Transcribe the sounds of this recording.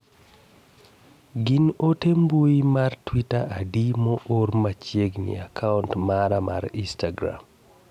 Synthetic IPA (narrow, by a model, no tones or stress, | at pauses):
ɡɪnotembuimartwitaʔadimoʔormat͡ʃjeɡnɪ̰akʰauntmaɾama̰ɾistaɡɾa̰m